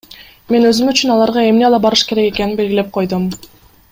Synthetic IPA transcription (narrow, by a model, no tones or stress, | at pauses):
me̞nø̞zymyt͡ʃynɑlˠɑɾʁɑe̞mne̞ɑlˠɑbɑɾɯʃke̞ɾe̞ke̞keninbe̞lɡʲile̞p̚qʰo̞jd̪um